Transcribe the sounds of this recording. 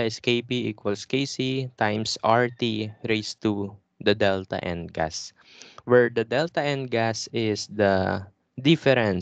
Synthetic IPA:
ɪskejpiɪkwɐlskejsit̪ãjmsʔaɹt̪iɹejst̪u | d̪ɐd̪ɛlt̪ɐ̰ʔɛ̰̃nd̪̚ɡa̰s | wɛɹd̪ɐd̪ɛlt̪ɐɛ̃nd̪̚ɡasɪsd̪ɐ | d̪ɪfɛɾɛ̃n

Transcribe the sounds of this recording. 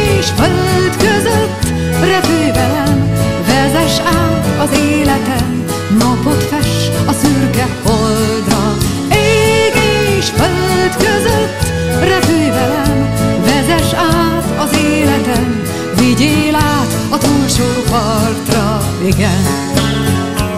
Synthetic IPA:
eːʃfølt̪køzøt̪ː | rɛpyjvɛlɛnvɛzɛʃaːt̪ɒzeːlɛt̪ɛmː | ɒpot̪fɛʃɒsyrkɛhold̪rɒ | eːɡeːʃfølt̪køzøt̪ː | rɛpyjvɛlɛnvɛzɛʃaːt̪ɒzeːlɛt̪ɛm | viɟeːlaːt̪ | ɒt̪ulʃoːpɒrt̪rɒ | eɡɛnɛ̰

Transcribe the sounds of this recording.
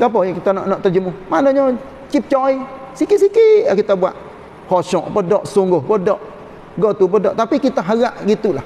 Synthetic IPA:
kap̬ɔɲkit̪anɔ̰ʔnɔʔt̪ad͡ʒəmumanɔɲɔ | t͡ʃip̚t͡ʃɔi | sikisikiakit̪abua̰ʔ̪̚ | hɔsɔʔpɔdɔʔsoŋɡohpədɔʔ | ɡɔt̪upɔdɔ̰ʔt̪apikit̪aɦaɣaʔɡit̪ula

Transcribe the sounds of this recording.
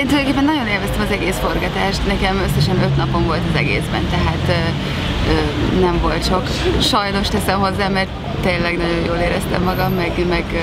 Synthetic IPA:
eːnud̪oŋkeːpːɛnːɒɟo̞neːlvɛst̪ɛmɒzɛɡeːsfo̞rɡɒt̪aːʃt̪nɛkɛmø̞sːɛʃɛnø̞t̪nɒpo̞ɱvo̞lt̪ɒzɛ̰ɡḛːzbɛ̰nt̪ɛɦaːt̪ː | ø | nɛɱvo̞lt̪ʃo̞k | ʃɒjno̞ʃt̪ɛsɛmho̞zːaːmɛrt̪ | t̪ːeːnlɛɡnɒɟo̞jjoːleːɾɛst̪ɛ̰mːɒɡɒmːɛɡmɛɡ

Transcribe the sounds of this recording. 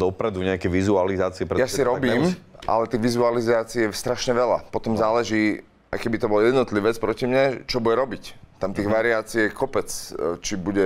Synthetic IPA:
d̪ɔpɾɛd̪uɲɛakɛʋizualizaːt͡siɛpɾɛjasiɾɔbiːmʔa̰lɛt̪iːɣʋizualizaːt͡siɛst̪ɾaʃɲɛʋɛla̰pɔt̪ɔmzaːlɛʒiː | a̰jkɛbit̪ɔbɔljɛd̪nɔt̪liʋɛt͡spɾɔcimɲat͡ʃɔbuɟɛɾɔbict̪amt̪iːɣʋaɾiaːt͡siɛkɔpɛt͡st͡ʃibuɟɛ

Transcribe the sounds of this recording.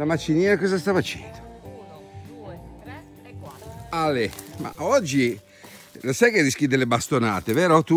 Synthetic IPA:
lamat͡ʃːiniːɾakɔzast̪afat͡ʃɛ̰nt̪o | alema̰ʔɔd͡ʒːi | nosajkerːisk̟id̪elːebast̪ona̰ːt̪evɛːɾot̪u

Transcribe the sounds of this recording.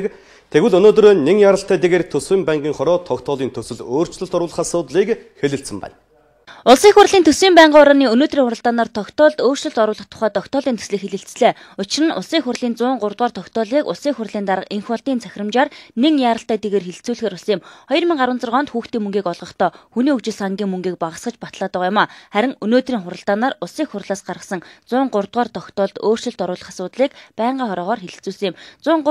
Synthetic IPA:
k | t̪ʰeɣwɘ̆ɮɵnoːt̪ɾoːneŋjaːɾə̆ɬt̪æːt̪eɣeːrt̪ʰɵswiːmpæɴɢiːŋχɔɾɔːt̪ʰɔkt̪ʰɔːɮiːnt̪ʰɵsɘ̆ɮoːr̥t͡ɕɮə̆ɬt̪ɔɾʊ̆ːɮə̆χasʊːt̪ɮiːkxeɮɘ̆ɬsɘ̆mpæ̰ːn | ʊɮsiːŋxʊrɮiːnt̪ʰɵswiːmpæɴɢːɾɔːniːɵnoːt̪riːŋʊɾə̆ɬt̪aːnaːrt̪ʰɔkt̪ʰɔːɮt̪oːr̥t͡ɕɵ̆ɬt̪ɔɾʊːɮə̆χt̪ʰʊ̥χæːt̪ʰɔkt̪ʰɔːɮiːnt̪ʰɵ̥sɮɘ̆xeɮɘ̆ɬt͡sɮeː | ʊt͡ɕɪ̆rə̆nʊ̰ɮsiːŋxʊrɮiːnt͡sʊːɴɢʊrt̪̚ʁaːrt̪ʰɔkt̪ʰɔːɮiːkʊ̰ɮsiːŋxʊrɮiːnt̪aɾə̆qeŋxɔɮt̪iːnt͡sʰæxʲrə̆mt͡ɕaːrneŋjaːɾə̆ɬt̪æːt̪eɣeːrxeɮɬt͡suːɮxeːɾʊɮsiŋjɪmχɔjɞ̆rmiŋɢaɾwə̆nt͡sə̆rɔnt̪xuːxt̪iːŋmɵŋɡiːkɔɮʁɞ̆χt̪ʰɔːxuniːɵkt͡ɕɪ̆ɮsaŋɡʲiːŋmɵŋɡiːk̚paʁə̆sɢə̆t͡ɕpat̪ɮaːt̪ə̆qjʊmaːχæɾʲɪ̆ŋɵnoːt̪riːŋχʊɾə̆ɬt̪aːnaːrʊɮsiːŋxʊrɮaːsɢarʁə̆sə̆ŋt͡sʊːɴɢʊrt̪̚ʁɔːrt̪ʰɔxt̪ʰɔːɮt̪oːr̥t͡ɕɪ̆ɬt̪ɔɾʊːɮə̆χasʊːt̪ɮiːkpæːɴɢaːχɔɾɔːʁɔːrxeɮɘ̆t͡suːɮsɘ̆ŋjɪmt͡sʊːɴ

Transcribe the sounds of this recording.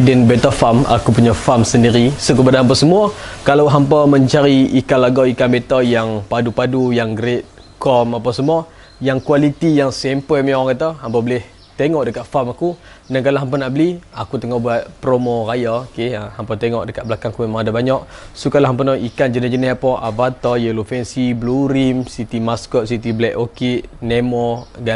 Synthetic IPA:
dɛnbɛt̪afama̰kupuɲafamsəndiɾisuk̬əpadaɦamp̬əsəmuakalawɦampəməɲt͡ʃaɾiikalaɡaikanbet̪ajaŋpadupadujaŋɡɾet̪̚ | kɔmapasəmuə | jaŋkualit̪ijaŋsɛmpəmɔŋkət̪aɦampəbəlɪh | t̪eŋɔʔdəkaʔ̪̚famaku | dankalaɦampanaʔbəliakut̪əŋɔhbuat̪̚pɾomorajaokeəhampat̪eŋɔʔdəkatʔbəlakaŋakuemaŋadabaɲaʔsukalaɦampənɔikand͡ʒənid͡ʒənɪsapɔʔavat̪ɔjəlufɛnsibluɾimsit̪imaskɔʔ̚sit̪iblɛʔokiʔnemɔɡa

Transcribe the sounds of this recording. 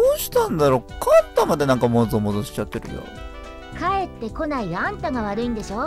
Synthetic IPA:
oːɕi̥t̪ãnd̪aɾo̞kant̪ːamad̪e̞nãŋkamozomod̪o̞ɕi̥t͡ɕat̪ːe̞ɾɯ̟̰jo̰ | kʰae̞t̪ːe̞ko̞naiãnt̪aɡaβ̞aɾɯ̟ĩnd̪eɕo̞ː

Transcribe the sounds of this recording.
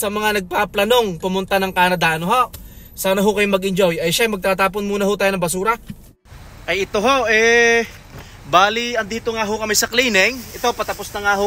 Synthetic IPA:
sɐmɐŋanɐɡ̚paplɐno̞ŋpʊmʊnt̪anɐŋkaːnɐd̪aːnoɦoʔ | saːnɐɦʊkɐjoŋmɐɡɪnd͡ʒo̞jʔɐjʃajmɐɡ̚t̪aːt̪aːp̬onmuːnɐɦʊt̪aːjonɐbɐsuːɾɐ | ʔɐjɪt̪oɦoʔɛ | baːliɐnd̪iːt̪oŋaɦokɐmɛjsɐkliːnɛŋʔɪt̪opɐt̪ɐposnɐŋaɦho

